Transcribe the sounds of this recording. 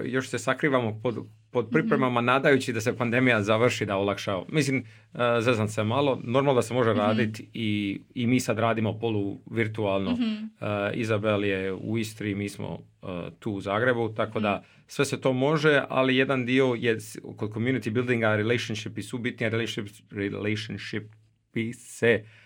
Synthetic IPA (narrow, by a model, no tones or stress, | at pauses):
jo̞ʃse̞sakɾiːʋamopod̪ | pod̪̚pɾipɾe̞mamanaːd̪ajut͡ɕid̪ase̞pand̪e̞mijazaʋr̩ʃid̪aolˠakʃamislim | zezansemalˠo̞noɾmalˠd̪asemo̞ʒeɾaːd̪it̪iimiːsad̪ɾaːd̪imo̞poluʋiɾt̪uaːlˠno | ḭzabeljeṵist̪ɾimiːsmo̰t̪uːzaːɡɾe̞but̪ako̞d̪a | sʋe̞se̞t̪o̞ːmo̞ʒe̞a̰lije̞d̪and̪io̞jeko̞d̪̚komjunit̪ibilˠd̪iŋɡaɾelejʃanʃipisubit̪nijaɾeleʃip | ɾileʃanʃip | ise